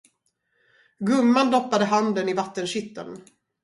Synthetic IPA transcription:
ɡɵmːand̪ɔpːad̪əɦand̪ənɪvat̪ːənɕʏt̪ːə̰n

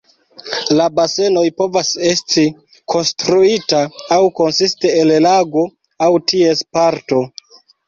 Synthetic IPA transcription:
labase̞no̞jpo̞vase̞sti | kʰo̞nstɾuitaːwko̞nsisteellaɡo̞ | awtie̞spaɾto̞

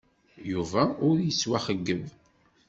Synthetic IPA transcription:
juvæʊɾjəswæχəɡːəv

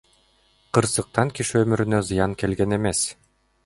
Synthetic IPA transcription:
qɯɾsɯq̚t̪ɑŋkiʃømyɾynøzɯjɑŋke̞lɡene̞mes

